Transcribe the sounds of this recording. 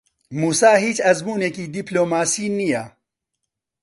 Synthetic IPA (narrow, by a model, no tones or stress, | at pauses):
muːsaːɦiːt͡ʃɐzmuːneːkiːd̪iːploːmaːsiːnijɛ